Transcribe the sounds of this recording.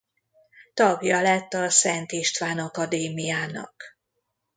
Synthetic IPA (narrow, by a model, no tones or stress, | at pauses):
t̪ɒɡjɒlɛt̪ːɒsɛnt̪iʃt̪ʋaːnɒkɒd̪eːmijaːnɒ̰k